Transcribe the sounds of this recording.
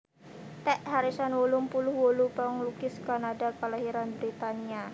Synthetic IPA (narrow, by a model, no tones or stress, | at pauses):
t̪ɛʔhaɾisanwulʊmpulʊhwolupəŋlukɪskanadakəlaɦiɾanbɾit̪ania